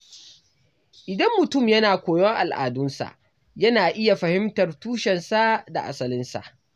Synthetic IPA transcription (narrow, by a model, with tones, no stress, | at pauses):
ʔɪ˨dɐ˦mːʊ˨tʊ˦˨mjɐ˦naː˨kʷoː˨jɔ˦ŋʔa̰˨lʔa̰ː˨dʊ˦nsa̰˨ʔ | jɐ˦naː˨ʔɪ˦ja˨ɸɐ˨hɪ˦mtɐ˨rtuː˦ʃɛ˨nsa˦da˨ʔa˨sɐ˨lɪ˦nsa̰˨ʔ